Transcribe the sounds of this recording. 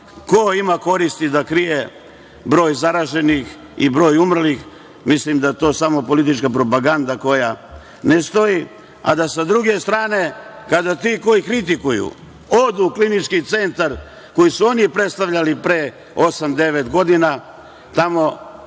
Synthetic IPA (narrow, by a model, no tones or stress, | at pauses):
koimako̞ɾist̪id̪akɾije | bɾo̞ːjzaɾaʒe̞nix | ḭbɾo̞ːjumr̩lix | mislimd̪ajet̪o̞ːsamo̞po̞lit̪̬it͡ʃkapɾo̞paɡand̪ako̞ja | nest̪o̞i | a̰d̪asad̪ɾuɡe̞st̪ɾaːne̞ | kad̪at̪iko̞jikɾit̪ikujṵ | o̞d̪uklinit͡ʃkit̪se̞nt̪aɾ | ko̞jisuo̞nipɾe̞t̪st̪aʋʎalipɾe | o̞samd̪e̞ʋet̪ɡo̞d̪ina | t̪amo̞